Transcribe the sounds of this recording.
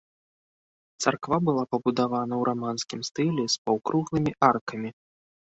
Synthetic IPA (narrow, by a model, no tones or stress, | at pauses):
t̪sarkvabɨlˠapɐbud̪avanɐwɾʔamanskʲimst̪ɨlʲɛspawkɾʔuɣlˠɨmʲiʔarkɐmʲi